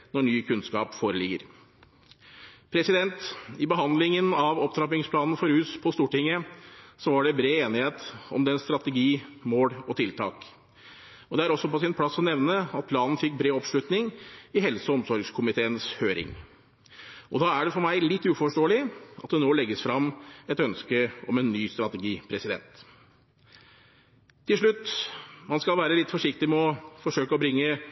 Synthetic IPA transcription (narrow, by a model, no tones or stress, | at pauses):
nɔɳyːkʰʉnskɑ̰ːpfoːɾəlɪɡːəɾ | pʰɾɛsɪd̪ɛnt̪ɪbəɦɑnd̪lɪŋənɑʋɔp̚t̪ʰɾɑpɪŋspʰlɑːnn̩fɔɾhʉːspʰɔst̪uːʈɪŋːəsɔʋɑɖɛbɾeːeːnɪheːt̪ɔ̰md̪ɛnst̪ɾɑt̪əɡiːmoːɽɔt̪ʰɪlt̪ʰɑ̰ːk | ɔd̪ɛæɾɔsːɔpɔsɪnpʰlɑsːɔnɛʋnəɑt̪̚pʰlɑːnn̩fɪkːbɾeːɔpʂɭʉt̪nɪŋɪɦɛlsəɔmsɔɾɡskʰʊmɪt̪ʰeːənshøːɾɪ̰ŋ | ɔd̪ɑːæɖɛfɔɾmæɪlɪt̪ːʉːfɔʂʈoːlɪɑt̪̚d̪ɛnoːlɛɡːəsfɾɑmːɛt̪œnskəɔmɛnːyːst̪ɾɑt̪ɛɡiːpʰɾɛsɪd̪ɛ̰nt̪ | t̪ʰːɪlʂɭʉt̪ːmɑnskɑlʋæːɾəlɪt̪ːfɔʂɪkt̪ɪmɛɔfɔʂøːkəɔbɾɪŋːə